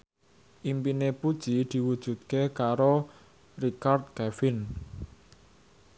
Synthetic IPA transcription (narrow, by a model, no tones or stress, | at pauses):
ʔimpinepud̥ʒ̥id̪̥i̤wud̥ʒ̥ṳt̪̚kekaɾo | rikard̪̚kɛfɪn